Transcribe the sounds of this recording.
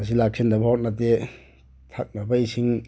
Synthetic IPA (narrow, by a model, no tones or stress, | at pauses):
as̬ilak̚sʰendɐbahot̚nate | tʰak̚nɐbɐisiŋ